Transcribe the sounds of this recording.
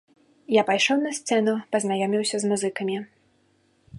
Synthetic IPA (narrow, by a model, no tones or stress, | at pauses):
japajʂɔwnɐsʲt̪sɛn̪upɐznajɔmʲiwsʲɐzmuzɨkɐmʲi